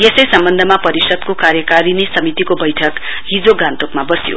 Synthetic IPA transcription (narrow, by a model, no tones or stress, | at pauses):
jesʌjsʌmbʌnd̪ʱʌmapʌɾisʌd̪kokaɾjʌkaɾinesʌmit̪ikobʌjʈʰʌk | ɦid͡zoɡant̪okmabʌsijo̰